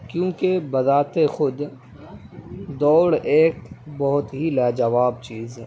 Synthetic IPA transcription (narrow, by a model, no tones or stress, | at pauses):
kjũːkebɐzaːt̪exʊd̪ | d̪ɔːɽeːkbɔɦʊt̪ɦilaːd͡ʒɐʋaːbt͡ʃiːzɦɛː